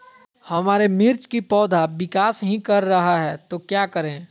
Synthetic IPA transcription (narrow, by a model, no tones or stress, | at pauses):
hɐmaːɾemɪɾt͡ʃkipɔːd̪ʱaʋɪkaːsɦĩkɐɾːɐɦaɦɛːt̪okjaːkəɾẽː